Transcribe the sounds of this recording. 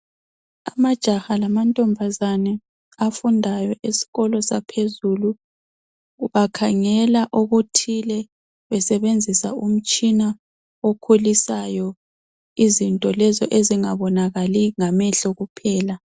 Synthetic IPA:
a̰mad̥ʒ̥ʱahalamantʼɔmbʱazanɛ | afundʱajɔʔisi̥ɣɔlɔsapʰezulu | βakʰaŋɛlaʔuɣutʰilɛ | βɛsɛβend͡zʱisaum̩t͡ʃʼina | okʰulisajɔ | izintʼɔlɛzɔʔeziŋaβɔnaɣaliŋamɛɬɔɣupʰɛːla

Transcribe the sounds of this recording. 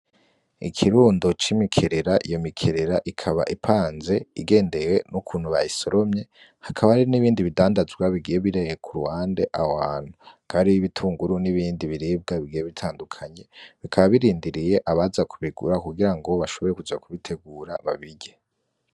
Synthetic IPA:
ikʰiɾuːndot͡ʃimikʰe̞ɾe̞ɾaʔijo̞mikʰe̞ɾe̞ɾaʔikʰaβa̰ʔipʰaːnze̞iɡe̞ːnde̞we̞nukʰuːn̥huβajisoɾomɲe̞ | hakʰaβaaɾiniβiːndiβidaːndazɡwaβiɡijeβiɾejekʰuɾuhaːnde̞ʔawaːn̥hukaːɾijiβitʰuːŋɡuɾuniβiːndiβiɾiːb̚ɡaβiɡijeβitʰaːndukʰaɲe̞βikʰaβaβiɾiːndiɾije̞ʔaβazakʰuβiɡuɾakuɡiɾaŋɡo̞βaʃo̞βo̞ɾekud͡ʒakuβitʰe̞ɡuːɾaβaβiɟe

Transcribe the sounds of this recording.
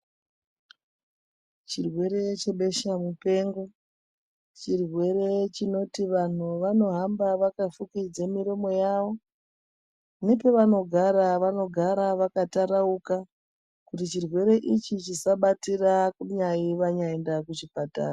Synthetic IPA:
t͡ʃirwe̞ɾe̞t͡ʃe̞ɓe̞ʃamupe̞ːŋɡo̞ | t͡ʃirwe̞ɾe̞t͡ʃino̞tiʋan̤uʋano̞ɦambaʋakafukid͡zemiɾo̞mo̞jaʋo̞ | ne̞pe̞ʋano̞ɡʱaɾaʋano̞ɡʱaɾaʋakataɾauka | kutit͡ʃirwe̞ɾe̞ʔit͡ʃit͡ʃisaɓatirakuɲaiʋaɲaendakut͡ʃipata̰ːra

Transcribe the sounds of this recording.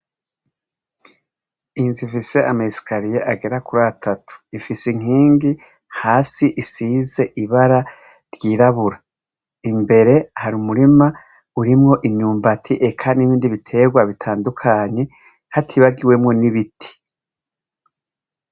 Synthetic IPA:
inzifise̞ʔamaisi̥kʰaɾijeʔaɡe̞ɾakuɾaatʰatʰu̥ifisiŋ̥iːŋɡi | haːsiʔisize̞ʔiβaɾa | ɾjiːɾaβuɾa | imbe̞ɾe̞haɾumuɾima | uɾimŋo̞ʔimɲuːmbatʰiʔe̞kʰaniβiːndiβitʰe̞ɡwaβitʰaːndukʰaɲe̞ | hatʰiβaɡiwe̞mŋo̞niβitʰi̥

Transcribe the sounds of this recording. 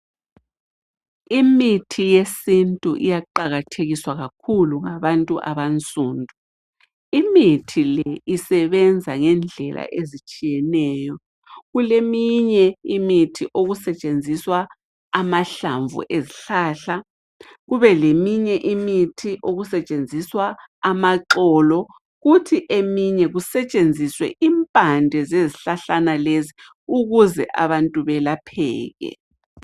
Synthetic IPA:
imitʰijesintʼṵʔḭjaǃaɣatʰeɣiswaɣakʰuluŋaβantʼuʔa̰βant͡sʼuːndʱu | imitʰilɛisɛβɛnd͡zʱaŋɛnd͡ɮʱɛla̰ʔezit͡ʃʼijɛnɛːjɔ | ɣulemiɲɛimitʰiʔoɣusɛt͡ʃʼend͡zʱiswa | amaɬaɱvṵʔeziɬaːɬa | ɣuβɛlemiɲɛʔimitʰiʔoɣusɛt͡ʃʼend͡zʱiswaːmaǁɔːlɔ | ɣutʰiʔemiɲɛɣusɛt͡ʃʼend͡zʱiswɛ̰ʔimpʼandʱɛzeziɬaɬanalezi | uɣuzɛ̰ʔa̰βantʼuβɛlapʰɛ̰ːɣɛ̰

